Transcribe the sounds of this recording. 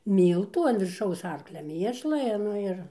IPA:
ˈmʲiːlˠtuː ɐn ʋʲɪrˈʃɐʊs ˈɐrklʲɛ ˈmʲiɛʃlˠɐ ɪ ˈnʊ ɪr

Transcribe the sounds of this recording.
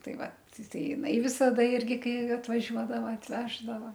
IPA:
ˈtɐɪ ˈʋɐt ˈtɐɪ jɪˈnɐɪ ʋʲɪsɐˈdɐ ˈɪrʲɡʲɪ ˈkɐɪ ɐtʋɐˈʒʲuɔdɐʋɐ ɐtʲˈʋʲæːʒdɐʋɐ

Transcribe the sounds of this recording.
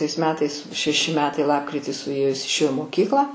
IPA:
tɐɪs ˈmʲæːtɐɪs ʃʲɛˈʃʲɪ ˈmʲæːtɐɪ ˈlˠɑːpkrʲɪtʲiː sʊˈeːjoː ˈjɪs ɪʃʲˈeːjoː ɪ moːˈkʲiːklˠɑː

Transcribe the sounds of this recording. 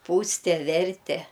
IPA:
ˈpuːsʲtʲɛ ˈʋʲɛrʲtʲɛ

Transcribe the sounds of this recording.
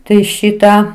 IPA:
ˈtɐɪ ˈʃʲɪtɑː

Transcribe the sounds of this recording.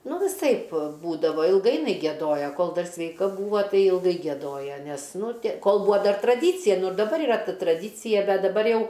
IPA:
ˈnʊ ʋʲɪˈsɐɪp ˈbuːdɐʋɐ ɪlˠˈɡɐɪ jɪˈnɐɪ ɡʲiɛˈdoːjoː ˈkoːlˠ ˈdɐr sʲʋʲɛɪˈkɐ ˈbuːʋoː ˈtɐɪ ɪlˠˈɡɐɪ ɡʲiɛˈdoːjɛ nʲɛs ˈnʊ tʲeː ˈkoːlˠ ˈbuːɐ ˈdɐr trɐˈdʲiːt͡sʲɪjɛ ˈnʊ ɪr dɐˈbɐr ɪˈrɐ ˈtɐ trɐdʲiːt͡sʲɪjɛ ˈbʲɛt dɐˈbɐr ˈjɛʊ

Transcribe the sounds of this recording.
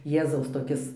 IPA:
ˈjeːzɐʊs toːˈkʲɪs

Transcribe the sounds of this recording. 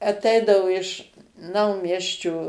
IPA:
ɐˈtʲɛɪdɐʋoː ɪʃ ˈnɐʊmʲiɛsʲt͡ʃʲoː

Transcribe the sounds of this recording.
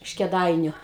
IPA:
ɪʃ kʲɛˈdɐɪnʲʊ

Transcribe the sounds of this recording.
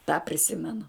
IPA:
tɑː pʲrʲɪˈsʲɪmʲɛnʊ

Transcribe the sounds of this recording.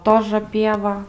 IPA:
ˈtoːʒə ˈpʲiɛʋɐ

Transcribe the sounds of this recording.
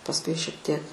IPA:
pɐsˈkʊɪ ʃʲiɛk ˈtʲiɛk

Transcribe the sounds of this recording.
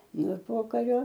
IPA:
nʊ ɪr ˈpoːkɐrʲoː

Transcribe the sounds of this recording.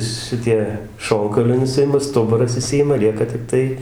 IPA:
ˈʃʲɪtʲiɛ ˈʃoːŋkɐʊlʲɛɪ nʊˈsʲɪɪmɐ ˈstʊbʊrɐs ɪˈʃʲsʲɪjɪmɐ ˈlʲiɛkɐ tʲɪkˈtɐɪ

